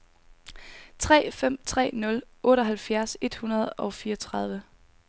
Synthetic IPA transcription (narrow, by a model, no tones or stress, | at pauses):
t͡sʰʁɛ̰ːfem̰t͡sʰʁɛ̰ːnɔ̽lʔɔ̽ːɾ̥ɒ̽ɦælfjæɐse̝d̥hunɐð̞̩ˠɒ̽ʊfiːɒt͡sʰʁɑ̈ð̞ˠʋə